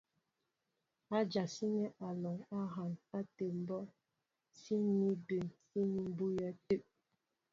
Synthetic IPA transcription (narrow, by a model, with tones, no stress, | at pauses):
a˦d͡ʒa˨si˦ɲɛ˦ʔa˨lɔ˨ŋa˦ɦa˨na˦te˨m̩˨bɔ˦ | si˦ni˦be˨nsi˦ni˦m˦bu˦ja˦te˦˨